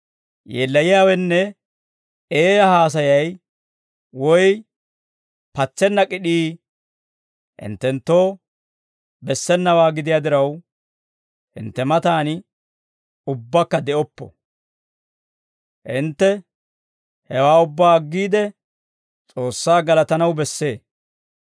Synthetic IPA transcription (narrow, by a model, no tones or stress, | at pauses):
jeːlːɐjɪjaːwɛnːɛ | eːjɐhaːs̬ɐjɐj | wɔj | pɐt͡ʃːɛnːɐkʼɪɗiː | hɪ̰nt̪ːɛnt̪ːoː | bɛsːɛnːɐwaːɡɪd̪ɪjad̪ɪɾɐw | hɪ̰nt̪ːɛmɐt̪aːn | ʊbːɐkːɐd̪ɛʔɔpːɔ̥̰ | hɪnt̪ːɛ | hɛwaːʊbːaːɐɡːiːd̪ɛ | t͡sʼo̞ːsːaːɡɐlɐt̪ɐnɐwbɛsːe̞ː